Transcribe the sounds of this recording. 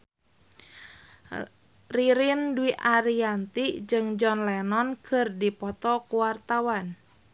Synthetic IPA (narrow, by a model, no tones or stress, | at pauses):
riɾinduiʔaɾiant̪id͡ʒɨŋd͡ʒɔnlɛnɔnkʰɨrdipɔt̪ɔkuwart̪awan